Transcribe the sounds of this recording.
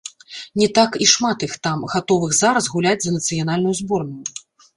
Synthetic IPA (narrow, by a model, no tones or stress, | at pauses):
nʲɛt̪akiʂmat̪ixt̪amɣat̪ɔvɨxzaɾɐzɣulʲad͡zʲzɐnɐt̪sɨjan̪alʲnujuzbɔrnuju